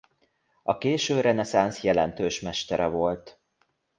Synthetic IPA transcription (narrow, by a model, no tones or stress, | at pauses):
ɒkeːʃøːrɛnɛsansjɛlɛnt̪øːʃmɛʃt̪ɛɾɛvo̞lt̪